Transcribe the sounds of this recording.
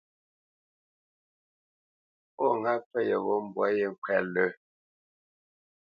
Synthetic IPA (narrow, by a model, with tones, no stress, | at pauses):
pɔ˦˨ŋa˦pɛ˦˨jə˨ɣo˦m˨bwa˨˦je˦ŋ̩˨kɛ˦˨lə˦